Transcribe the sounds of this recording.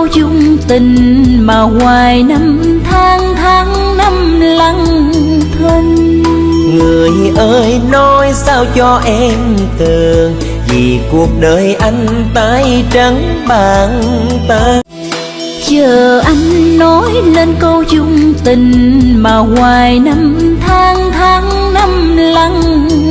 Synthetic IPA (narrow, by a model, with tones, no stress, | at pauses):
wzʊ˧ŋ͡mt̪ï˨˩ŋ̟maː˨˩ŋwaː˨˩jna˧mt̪ʰaː˧˨˦ŋt̪ʰaː˨˦ŋ | na˧mla˧ŋt̪ʰə˧ŋ | ŋɨ˨˩əjʔəː˧jno˧jsaː˧wt͡ɕɔ˧ʔɛ˧m | t̪ɨ˨˩əŋ | vi˨˩ku˨˩ək̚ɗəː˨˩jʔa˧jŋ̟t̪aː˧˥jt͡ɕə˨˦ŋɓaː˨˩ŋt̪aː˧˦ | t͡ɕəː˨˩˨ʔa˧jŋ̟nɔ˨˦jne˧nkə˧wzʊ˧ŋ͡mt̪ï˨˩ŋ̟maː˨˩ŋwaː˨˩jna˧mt̪ʰaː˨˦ŋt̪ʰaː˨˦ŋ | na˧m | la˧ŋ